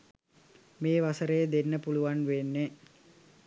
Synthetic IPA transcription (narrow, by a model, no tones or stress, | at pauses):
meːʋasəɾəjəd̪enːəpuluʋanʋenːe